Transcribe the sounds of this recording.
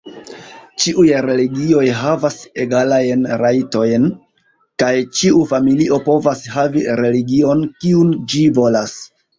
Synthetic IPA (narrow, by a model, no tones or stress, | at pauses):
t͡ʃiʔujɾe̞liɡio̞jɦavaseɡalajnɾajto̞jn | kajt͡ʃiufamiliʔo̞po̞vashaviɾe̞liɡio̞nkiund͡ʒivo̞las